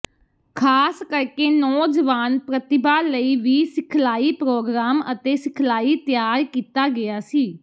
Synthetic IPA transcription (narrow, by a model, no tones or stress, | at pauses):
kʰaːskəɾkeːnɔːd͡ʒəʋaːnpɾət̪ɪbaːləiːʋiːsɪkʰlaːiːpɾoːɡɾaːmət̪eːsɪkʰlaːiːt̪jaːɾkiːt̪aːɡɪjaːsiː